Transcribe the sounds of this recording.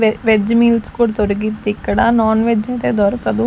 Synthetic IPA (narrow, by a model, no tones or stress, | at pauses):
ʋed͡ʒmiːlskoɽt̪oɾɡit̪ɪkːɽaːnɔːnʋed͡ʒẽːt̪eːd̪ɔːɾkəd̪uː